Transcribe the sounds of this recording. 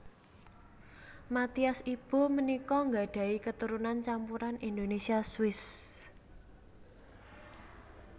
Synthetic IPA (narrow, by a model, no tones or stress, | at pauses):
mat̪iasib̥o̤mənikɔŋɡaɖ̥ä̤ikət̪uɾunant͡ʃampuɾanind̪onesiaswɪs